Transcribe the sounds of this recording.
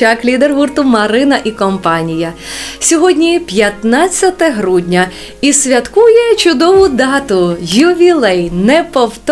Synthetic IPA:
ɑklʲid̪erɦurt̪ʊmɐɾɪnɐʔikɔmpɑnʲijɐsʲɔɦɔdʲnʲipʲjɐt̪nɑt͡sʲːɐt̪ɛɦɾudʲnʲɐ | isʲʋʲɐt̪kujɛt͡ʃʊd̪ɔʋʊd̪ɑt̪ʊjʊʋʲilˠɛjnɛpɔwt̪

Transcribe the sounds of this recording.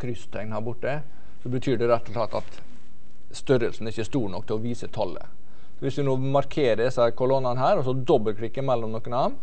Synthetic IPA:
kʰɾʏst̪ʰɛŋnhɑɾbʊʈːə | sɔbət̪ʰyːɖɛɾɛt̪ːʊt̪ʰɑt̪ːɑt̪ | st̪œɾəlsn̩æɾɪçːəʂt̪uːɳɔk̚ːt̪ʰɪlɔʋiːsət̪ʰɑlːə̰ | sɔʋɪsd̪ɪnoːmɑɾkʰeːɾəsɑkʰʊlɔnːɑnɦæːɾɔsɔd̪ɔbːəlkʰɽɪkːəɾmɛlːɔmnɔkːənɑːmn

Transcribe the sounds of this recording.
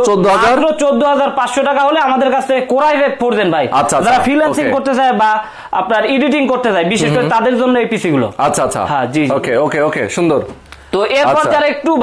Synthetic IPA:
t͡ɕod̪ːoɦaaɾɾot͡ɕod̪ːoɦad͡ʑaɾpatʃoʈakaɦoleamad̪eɾkat͡ɕʰt̪ʰekoɾajfek̚pʰoɾd͡ʑenbʱajatːʰad͡ʑaɾafɾilasikoɾt̪et͡ɕaeba | a̰pnaɾiɖiʈ̬iŋkoɾt̪et͡ɕajbiʃeʃkoɾet̪ad̪eɾd͡ʑonːoejpisiɡulo̰atːɕʰaatːʰa̰ɦãd͡ʑiokeokeokḛʃund̪oɾt̪oʔeɾapɔɾd͡ʑaɾaek̚ʈu

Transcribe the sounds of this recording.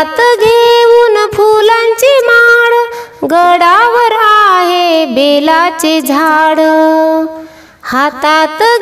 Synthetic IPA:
t̪ɡʱeʋuːnpʰulaɲt͡ɕimaɽɡəɽaʋəɾaɦebelat͡ɕed͡zʱaɽ | hat̪at̪

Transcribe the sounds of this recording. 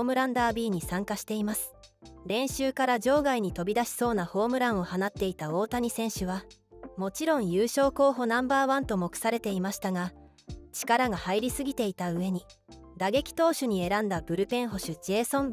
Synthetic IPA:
omɯ̟ɾãnd̪aːbʲiːɲ̟isãŋkaɕi̥t̪e̞imasɨ̥ɾẽ̞ɰ̃ɕɨːkaɾaʑo̞ːɡaiɲ̟it̪o̞bʲid̪aɕi̥so̞ːnaho̞ːmɯ̟ɾãɰ̃o̞hanat̪ːe̞it̪ao̞ːt̪aɲ̟isẽ̞ɰ̃ɕɨβamo̞t͡ɕiɾõ̞ɰ̃jɯːɕo̞ːko̞ːɦo̞nãmbaːβãnt̪o̞mo̞kɯ̟̥saɾe̞t̪e̞imaɕi̥t̪aɡa | t͡ɕi̥kaɾaɡahaiɾʲisɨɡʲit̪e̞it̪aɯ̟e̞ɲ̟i | d̪aɡe̞kʲi̥t̪o̞ːɕɨɲ̟ie̞ɾãnd̪abɯ̟ɾɯ̟pẽ̞ɰ̃ɦo̞ɕɨd͡ʑe̞ːsõ̞m

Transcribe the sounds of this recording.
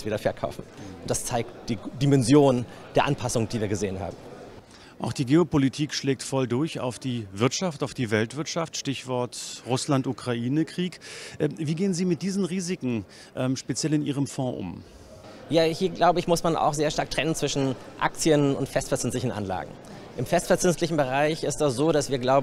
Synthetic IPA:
sviːdɐfɛɐkʰa̰ʊfn̩ʔʊntd̥ast͡saɪk̚td̥iːdimɛnzjoːnd̥eːɐʔanpʰasʊŋd̥iːviːɐɡəzeːənha̰ːbm̩ | ʔaʊxd̥iːɡeːopolitʰiːkʃleːk̚tfɔldʊɐça̰ʊfd̥iːvɪɐtʃaftaʊfd̥iːvɛltv̥ɪɐtʃaftʃtɪçv̥ɔɐtʁʊslantʔukʁ̥aʔiːnəkʁ̥iːkʔɛviːɡeːənziːmɪt̚d̥iːzn̩ʁiːzɪkŋ̩ | ʔɛːmʃpet͡sjɛlɪnʔiːʁ̞əmfɔ̃ːʔʊ̰m | jaːhiːɐɡlaʊbəɪçmʊsmana̰ʊxz̥eːɐʃtaɐk̚tʁ̥ɛnənt͡sv̥ɪʃn̩ʔa̰kt͡sjənʊ̰ntfɛstfɛɐt͡sʏnstlɪçn̩ʔa̰nla̰ːɡŋ̩ | ʔɪmfɛstfɛɐt͡sʏnstlɪçn̩bəʁaɪçɪstɛsz̥oːɾasv̥iːɐɡlaʊb

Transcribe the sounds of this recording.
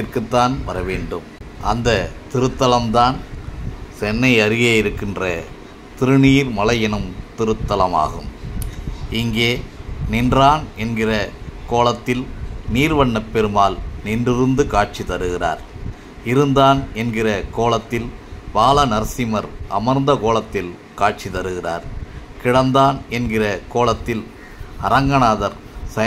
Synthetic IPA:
ɪrkɯt̪ːaːnʋɐɾɐʋeːɳɖɯm | ʔɐnd̪ɐt̪ɪɾɯt̪ːɐlɐmt̪aːn | sɛnːɐɪɐɾɪɣeːjɪɾɯkːɪndrɐ | t̪ɪɾɯniːɾmɐlɐjɛnɐmt̪ɪɾɯt̪ːɐlɐma̰ːɣɯ̰m | ɪŋɡeːnɪndraːnɛnɡɪrɐkoːlɐt̪ːɪlniːɾʋɐɳːɐpːɛɾɯmaːlnɪndɪɾɯnd̪ɯkaːʈ̚t͡ʃit̪ɐɾɯɣɪra̰ːɾ | ɪɾɯnd̪aːnɛnɡɪrɐkoːlɐt̪ːɪlbaːlɐnɐɾsɪmɐɾʔɐ̰mɐɾnd̪ɐkoːlɐt̪ːɪl | kaːʈ̚t͡ʃit̪ɐɾɯɣɪra̰ːɾkɪɽɐnd̪aːnɛnɡɪrɐkoːlɐt̪ːɪl | ɐɾɐŋɡɐnaːðɐɾ | sɐ

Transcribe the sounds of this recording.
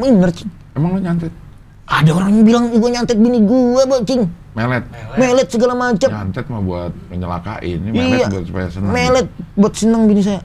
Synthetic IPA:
minərt͡ʃɪ̥ŋ | emaŋloɲant̪ɛt̪̚ | ʔadaoɾaŋɲabilaŋɡuaɲant̪ɪt̪̚biniɡuabɔt͡ʃɪŋ | melɛt̪̚melɛt̪̚səɡalamat͡ʃamɲant̪ɛt̪̚mabuat̪̚məɲəla̰ka̰ʔɪ̰nmiɛabuat̪su̥pa̰jasənəmelɛt̪̚buat̪̚sənəŋbinis̬aja

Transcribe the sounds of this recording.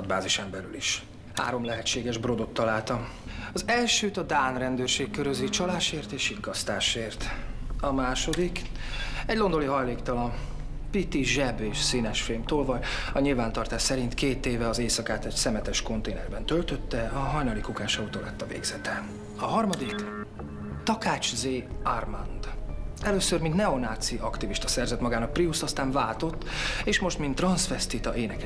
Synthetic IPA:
d̪ba̰ːziʃɛmbɛlyliʃ | ha̰ːɾo̞mlɛɦɛt͡ʃːeːɡɛʒbro̞d̪o̞t̪ːɒlaːlt̪ɒm | ɒzɛlʃøːt̪ɒd̪aːnrɛnd̪øːrʃeːkkːøɾøzit͡ʃɒlaːʃeːrt̪eːʃiŋkɒst̪aːʃeːrt̪ɒmaːʃo̞d̪ik | ɛɟlo̞nd̪o̞liɦɒjleːkt̪ɒlɒmpit̪iʒɛbeːʃsinɛʃfilmt̪oːlvɒjɒɲilvaːnt̪ɒrt̪aːʃsɛɾint̪keːt̪eːvɛɒzeːsɒkaːt̪ɛɟsɛmɛt̪ɛʃko̞nt̪eːnɛrbɛnt̪ølt̪ø̞t̪ːɛɒɦɒjnɒlikukaːʃɒut̪oːlɛt̪ːɒvḛːɡz̥ɛt̪ɛ | ɒɦɒrmɒd̪ik | t̪ɒkaːt͡ʃzeːarmand̪̥ɛløːsørmint̪nɛo̞naːt̪siɒkt̪iviʃt̪ɒsɛrzɛt̪mɒɡaːnɒk̚priust̪ɒst̪aːɱvaːlt̪o̞t̪ːeːʃmo̞ʃt̪mint̪ːrɒnsfɛst̪it̪ɒʔeːnɛk

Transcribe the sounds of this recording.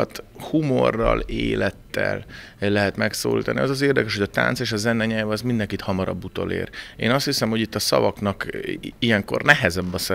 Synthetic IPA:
t̪humorːɒ̰leːlɛt̪ːɛ̰llɛɦɛt̪mɛkso̰ːlḭːt̪ɒniɒzɒzeːrd̪ɛkɛʃho̞ɟɒt̪a̰ːnt̪seːʃɒzɛnɛɲɛlvɒzmind̪ɛŋkit̪hɒmɒɾɒ̰bːut̪o̞̰lḛːɾeːnɒst̪hisɛmho̞ɟit̪ːɒsɒ̰vɒknɒkijɛŋko̞̰rnɛɦɛzɛbːɒs

